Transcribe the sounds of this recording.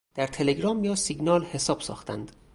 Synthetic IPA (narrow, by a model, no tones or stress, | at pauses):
d̪̥æɾt̪ʰe̞le̞ɡɾɒːmjɒːsiɡnɒːlhe̞sɒːb̥sɒ̰ːxt̪ʰæ̰nd̪̥